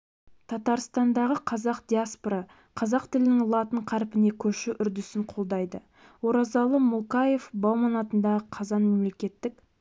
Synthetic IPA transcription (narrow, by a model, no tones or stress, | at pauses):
t̪ʰɑt̪ɑɾst̪ɑnd̪ɑʁəqʰɑzɑqd̪̥ʲiaspoɾɑ | qʰɑzɑqt̪ʰɪlɪnɪŋʊlˠɑt̪əɴqʰɑɾpɪne̞kʲʰɵʃɪʔʏɾd̪ʏsɪɴqʰo̞lˠd̪ɑjd̪ə | wo̞ɾɑzɑlˠəmʊlˠkaje̞fbɑwˠmɑnɑt̪ənd̪ɑʁəqʰɑzɑnme̞mle̞kʲe̞t̪ːɪk